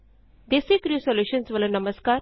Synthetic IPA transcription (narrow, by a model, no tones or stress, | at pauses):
d̪esekɾuːsoljuːʃə̃nsʋələ̃nɐməskaːɾ